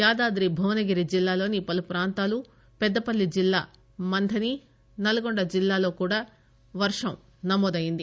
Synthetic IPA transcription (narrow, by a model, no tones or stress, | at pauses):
jaːd̪aːd̪ɾibʱɐʋɐnɐɡiɾid͡ʒilːaːlo̞ːnipɐlupɾaːnt̪aːlu | pɛd̪ːɐpɐlːid͡ʒilːa̰ː | mɐnd̪ʰʱɐni | nɐlɐɡoɳɖɐd͡ʒilːaːlo̞ːkuːɽaː | ʋɐɾʂɐm | nɐmɔːd̪ɐjind̪i